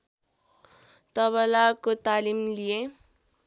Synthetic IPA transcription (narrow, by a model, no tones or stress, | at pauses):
t̪ʌβʌlakot̪alimlije